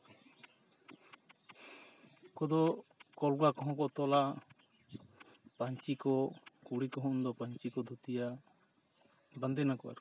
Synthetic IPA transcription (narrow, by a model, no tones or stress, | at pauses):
kɔd̪ɔkɔlɡakɔɦɔ̃kɔt̪ɔla | paɲt͡ʃikɔkuɽikɔɦɔ̃nd̪ɔpaɲt͡ʃikɔd̪ʱut̪ija | band̪ɛnakɔʔa̰ɾ